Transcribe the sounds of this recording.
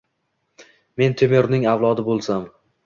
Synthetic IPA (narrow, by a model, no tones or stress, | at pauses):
me̞nt̪ʰemeɾnɪŋavlˠɒd̪ɪbolˠsam